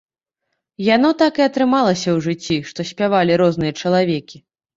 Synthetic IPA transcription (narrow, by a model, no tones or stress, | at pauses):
jan̪ɔt̪akɨɐt̪ɾɨmalˠɐsʲɐwʐɨt͡sʲːiʂt̪ɔsʲpʲavalʲiɾɔznɨjɐt͡ʂɐlˠavʲɛkʲi